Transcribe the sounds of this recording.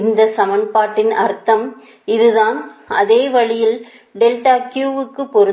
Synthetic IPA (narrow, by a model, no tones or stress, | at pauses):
nd̪ɐsɐmɐnpaːʈːɪnɐɾt̪ːɐm | ɪðɯðaːnʔɐðeːʋɐɭɪjɪl | ɖɛlʈaːkjuːʋɯkːɯpːɔɾɯ